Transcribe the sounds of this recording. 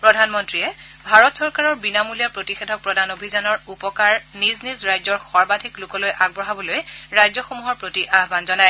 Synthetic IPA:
pɹɔdʱanmɔntɹiɛbʱaɹɔtsɔɹkaɹɔɹbinamulijapɹotixedʱɔk̚pɹɔdʱanobʱizanɔɹupɔkaɹniznizɹajzɔɹxɔɹbadʱiklʊkɔlojʔaɡ̚bɹɔɦabɔlojɹajzɔxomuɦɔɹpɹotiʔaɦbanzɔnaj

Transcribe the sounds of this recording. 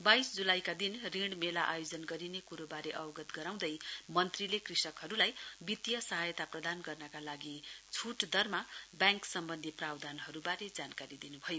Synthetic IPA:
bajsd͡zulajkad̪inriɽ̃melaʔajod͡zʌnɡʌɾinekuɾobaɾeʔʌbʌɡʌt̪ɡʌɾaw̃d̪ʌjmʌnt̪rilekrisʌkɦʌɾulajbit̪jʌsʌɦajt̪aprʌd̪anɡʌrnʌkalaɡit͡sʰuʈd̪ʌrmabjaŋksʌmbʌnd̪ʱiprawd̪ʱanɦʌɾubaɾed͡zankaɾid̪inubʱʌjo

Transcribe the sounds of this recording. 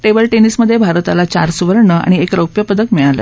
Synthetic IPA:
ʈebəlʈenisməd̪ʱːjebʱaɾt̪alat͡ɕa̰ɾsuʋəɾɳəa̰ɽ̃iekɾəwpjəpəd̪əkmiɭalə̰

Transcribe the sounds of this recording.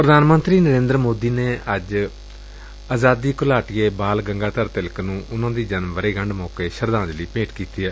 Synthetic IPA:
pɾəd̪aːnmə̃nt̪ɾiːnəɾẽːnd̪ɾmoːd̪iːneːəd͡ʒ | aːzaːd̪iːkʊlaːʈɪjeːbaːlɡəŋɡaːt̪əɾt̪ɪlknũːʔʊnãːd̪iːd͡ʒənmʋəɾeːɡəɳɖmɔːkeːʃəɾd̪ãːd͡ʒləiːpẽːʈkiːt̪iːɛː

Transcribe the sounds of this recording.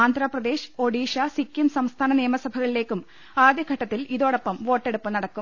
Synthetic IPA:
aːnd̪ʱrɐːprɐd̪e̞ːɕo̞ɽiːɕasikːjumsɐmst̪ʰaːnɐnijɐmɐsɐbʱɐɣɐɭile̞ːkːum | aːd̪jɐɡʱɐʈːɐt̪ːiliðo̞ːɽɐpːɐmʋo̞ːʈːe̞ɽupːɨnɐɽɐkːum

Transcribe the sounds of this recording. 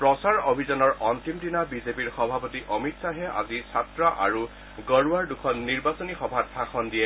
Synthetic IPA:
pɹɔsaɹobʱizɔnɔɹɔntimdinabizepiɹxɔbʱapɔtiʔɔmitsaɦɛʔa̰zisatɹɔʔa̰ɹu | ɡɔɹuaɹdukʰɔnːiɹbasɔnixɔbʱatbʰʱakʰɔndijɛ

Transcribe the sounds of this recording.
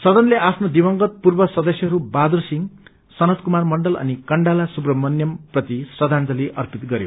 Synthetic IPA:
sʌd̪ʌnleʔapʰnod̪ibʌŋɡʌt̪̚purbʌsʌd̪ʌsjʌɦʌɾubad̪ursiŋ | sʌnʌt̪kumarmʌɳɖʌlʌ̰nikʌɳɖalasubrʌmʌnjʌmprʌt̪isrʌd̪ʱand͡z̪ʌliʔʌrpit̪ɡʌɾjo̰

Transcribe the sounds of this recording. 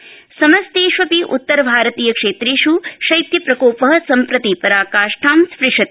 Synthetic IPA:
sɐmɐst̪eːʃʋɐpiʔut̪ːɐɾɐbʱaːɾɐt̪iːjɐkʂeːt̪ɾeːʃuʃɐjt̪jɐpɾɐkoːpɐɦɐ̆sɐmpɾɐt̪ipɐɾaːkaːʂʈʰaːmspɾiʂɐt̪i

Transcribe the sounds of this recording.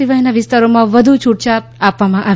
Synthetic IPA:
iʋaɦinaʋɪst̪aɾomãʋəd̪ʱut͡ʃʰuʈ̚t͡ʃaapʋamãʔaː

